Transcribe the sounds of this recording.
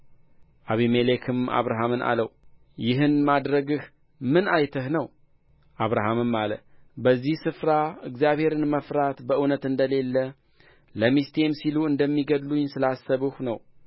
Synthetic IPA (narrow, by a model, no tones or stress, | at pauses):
ʔaβimelekʰɨma̰βɾaɦamɨnʔa̰lə̰w | jɪɦɨnmad̪ɾəɡɨh | mɨnajt̪ʰəhnəw | ʔaβɾaɦamɨmːalə̰bəzːihsɨfɾaɨɡzjaβhe̞ɾɨnməfɾat̪bəɨwnət̪ɨnd̪əle̞lːə | ləmist̪e̞msiluɨnd̪əmːiɡəd̪luɲsɨlasːəβɨhnəw